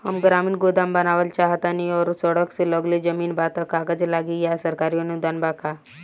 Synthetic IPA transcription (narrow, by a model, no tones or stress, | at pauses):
həmɡɾaːmiːnɡod̪ambənaːʋəlt͡ʃaɦt̪aniɔːɾsəɽəkseləɡled͡ʒəmiːnbat̪əkaːɡəd͡ʒlaːɡijasəɾkaːɾiənud̪aːnbakʰa